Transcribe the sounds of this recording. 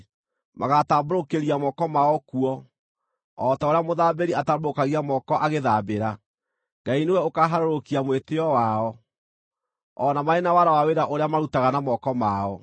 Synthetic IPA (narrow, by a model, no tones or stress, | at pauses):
maɣataboɾokeɾiamɔkɔmaɔkuɔ | ɔtaoɾeamoðabeɾiataboɾokaɣiamɔkɔʔaɣeðabeɾa | ŋɡainewɛokaɦaɾoɾokiamweteɔwaɔ | ɔnamaenawaɾawaweɾaʔoɾeamaɾutaɣanamɔkɔmaɔ